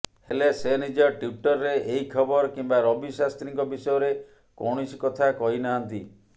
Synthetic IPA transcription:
helesenid͡ʒɔʈuʈɔɾːeʔeɦikʰɔbɔɾɔkimbaɾɔbisast̪ɾiŋkɔbisɔjɔɾe | kɔɽ̃ɔsi̥kɔt̪ʰakɔɦinaɦant̪i

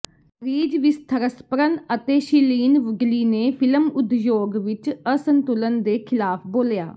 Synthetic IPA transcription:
ɾiːd͡ʒʋɪst̪ʰəɾəspəɾənət̪eːʃiliːnʋəɡliːneːpʰɪləmʊd̪joːɡʋɪt͡ʃəsənt̪ʊlənd̪eːkʰɪlaːpʰboːlja̰ː

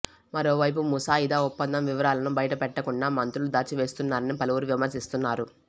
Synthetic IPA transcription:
mɐɾo̞ːʋɐjp̬umusaːid̪aːupːɐnd̪ɐmʋiʋɐɾaːlɐnubɐjɐʈɐpɛʈːɐkuɳɖaːmɐnt̪ɾulud̪aːt͡ʃiʋe̞ːst̪unːaːɾɐnipɐluʋuɾuʋimɐɾsist̪unːaːɾu

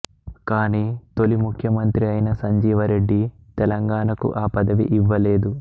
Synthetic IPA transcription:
kaːniːt̪o̞limukʰjɐmɐnt̪ɾiɐjnɐsɐɲd͡ʒiːʋɐɾe̞ɖːit̪ɛlɐŋɡaːɳɐkṵʔaːpɐd̪ɐʋḭʔiʋːɐleːd̪u

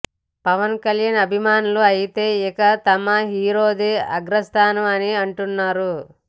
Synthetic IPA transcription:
pɐʋɐnkɐljanɐbʱimaːnuluɐjit̪e̞ːɛkɐt̪ɐmɐɦiːɾoːd̪eːɐ̰ɡɾɐst̪ʰaːnɐʋɐniɐɳʈunːaːɾu

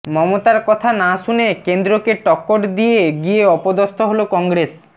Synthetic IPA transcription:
mɔmot̪aɾkɔt̪ʰanaʃunekend̪ɾokeʈɔkːoʈd̪ieɡieɔpod̪ost̪ʰoɦolokɔŋɡɾes

